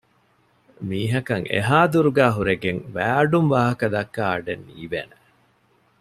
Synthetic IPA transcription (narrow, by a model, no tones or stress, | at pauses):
miːɦɐkɐŋḛɦaːd̪uɾuɡæːɦuɾeɡeŋʋæːɐɖumʋaːɦɐkɐd̪ɐkːaːɐɖenːḭːʋḛːne